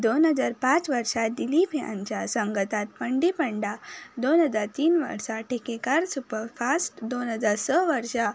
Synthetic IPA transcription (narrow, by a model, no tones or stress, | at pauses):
d̪onɦəd͡ʒaɾpãt͡ʃʋəɾʃad̪ilipʰiã̰nt͡ʃasəŋɡət̪at̪̚pəɳɖipəɳɖad̪onɦəd͡zaɾt̪iːnʋə̰ɾʃaʈʰekekaɾsupəɾpʰasʈd̪onɦəd͡ʒaɾsəʋəɾʃa